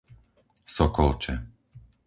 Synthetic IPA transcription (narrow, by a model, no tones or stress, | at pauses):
sɔkɔlt͡ʃɛ